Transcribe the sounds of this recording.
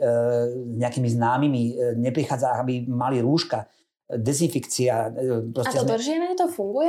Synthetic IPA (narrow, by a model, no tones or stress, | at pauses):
zɲɛakiːmiznaːmimiɲɛpɾixaːd͡zaaɡabimaliɾuːʃka | d̪ɛzinfikt͡siapɾɔstɛɔd̪r̩ʒinɛɛt̪ɔfuŋɡujɛ